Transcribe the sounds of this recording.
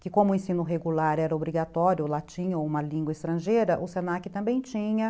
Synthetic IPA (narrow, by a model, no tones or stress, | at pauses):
kɪkõmʊẽsĩnʊɦeɡulaɾɛɾɐobɾiɡat̪ɔɾjʊlat͡ʃĩɲɐoũmɐlĩŋɡwɐɪst̪ɾɐ̃ʒejɾɐʔʊsenakɪt̪ɐ̃mbẽj̃t͡ʃĩɲɐ